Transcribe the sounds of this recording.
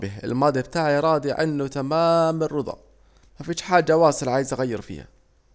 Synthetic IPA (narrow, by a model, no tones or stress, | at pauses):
bɪhɪ̰lmɑːd̪ˤjabt̪aːʕɾˤɑːd̪ˤiʕa̰nːut̪amaːmɪrːʊd̪ˤɑ̰ | mafiːʃħaːd͡ʒːawɑːsɨlʕaːjɪzʔaɣajːɪɾfḭːha̰